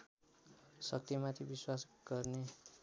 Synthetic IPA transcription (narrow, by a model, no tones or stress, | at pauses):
sʌk̚t̪imat̪ʰibiswasɡ̥ʌrne